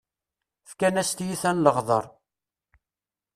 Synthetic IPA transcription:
fkænæst̪jiθænləʁðˤəɾˤ

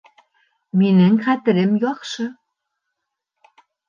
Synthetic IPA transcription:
minɘ̆ŋχæt̪ɘ̆ɾɘ̆mjɑχʃɤ̆

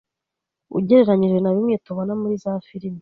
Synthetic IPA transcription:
ṵɟe̞ɾeɾaɲiɾwenaβimŋeːtoβonamuɾizafiɾimi

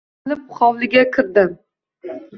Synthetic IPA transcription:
lɪp̚χɒwlˠɪɡʲakʲʰɪɾd̪ɪm

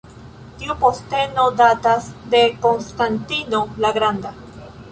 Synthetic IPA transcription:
t̪iupost̪enod̪at̪azd̪ekonst̪ant̪inolaɣɾand̪a

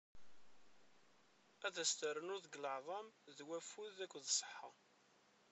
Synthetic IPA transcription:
æðæst̪əɾənʊðəɡləʕðˤɑmðwæfuðækʷːðsˤə̥ħːɑ

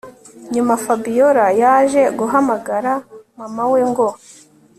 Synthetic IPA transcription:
ɲumafabijoɾajaʒe̞ɡuɦamaɡaɾamamaweŋɡo

